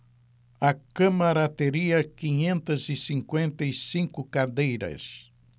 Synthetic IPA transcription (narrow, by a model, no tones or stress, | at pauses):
ɐkɐ̃mɐɾɐt̪eɾiɐkiɲẽnt̪ɐzisĩŋkwẽnt̪ɐisĩŋkʊkad̪ejɾɐ̰s